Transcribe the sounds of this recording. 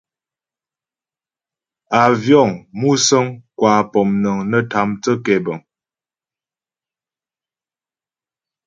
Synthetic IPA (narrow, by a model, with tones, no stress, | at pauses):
a˨vjɔ˦˨ŋmu˦sə˦ŋkwa˨pɔ˨mnə˨ŋnə˦tʰa˨˦mtə˦kɛ˨bə˨ŋ